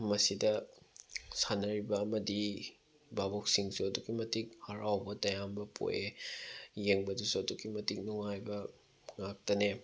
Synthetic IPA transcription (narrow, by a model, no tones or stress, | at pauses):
mɐsidɐ | sanɐɾibɐːmɐdi | babok̚siŋsuɐduɡimɐtik̚hɐɾawbɐtɐjambɐpʰo̰je | jeŋbɐdusuɐdukimɐtik̚nuŋajbɐ | ŋak̚tɐne